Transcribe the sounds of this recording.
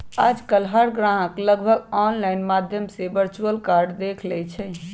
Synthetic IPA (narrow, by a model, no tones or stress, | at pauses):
ad͡ʒkəlɦaɾɡɾãɦəkləɡbʱəɡɡɔnlajnmad̪ʱjəmsebəɾt͡ʃuəlkaɾɖd̪ekʰlɛt͡ʃʰɛ